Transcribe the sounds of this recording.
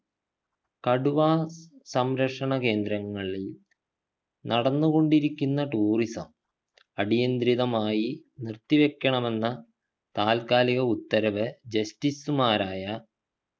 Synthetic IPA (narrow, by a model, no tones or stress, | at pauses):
kɐɽuʋaːsɐmɾɐkʂɐɳɐke̞ːnd̪ɾɐŋːɐɭil | nɐɽɐnːuɣo̞ɳɖiɾikʲːunːɐʈuːrisɐ̰m | ɐɽijɐnd̪ɾiðɐmaːjinirt̪ːiʋe̞kʲːɐɳɐme̞nːɐ | t̪aːlkaːliɣɐut̪ːɐɾɐʋɨd͡ʑɐstisumaːɾaːjɐ